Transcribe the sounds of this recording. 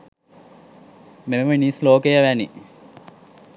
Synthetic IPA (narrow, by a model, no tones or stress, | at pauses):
memniːsloːkejɐʋæni